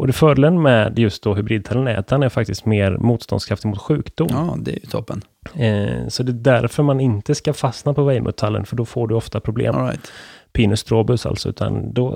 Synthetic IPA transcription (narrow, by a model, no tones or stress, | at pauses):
ɔd̪ɛfœːɖlənmɛːd̪jɵst̪̚d̪ɔɦɵbɾiːd̪̚t̪ʰalːənɛ̰ːt̪ʰaɳɛɾfak̚t̪ɪst̪meːɾmuːt̪st̪ɔ̰nskʰɾaft̪ɪɡmʊːt̪ɧʉ̟ːkd̪ʊmːd̪ɛ̰jt̪ʰɔpːə̰n | sɔd̪ɛd̪æɾfœɾmanɪnt̪əskafasnapʰɔvɛjmʔɛ̰t̪ʰalːə̰nfœɖɔfoːɖɵɔft̪apʰɾʊblḛːmat̪pʰiːnɵst̪ʰɾoːbʉsa̰lt̪sɔʉ̟ːt̪ʰa̰nd̪ɔ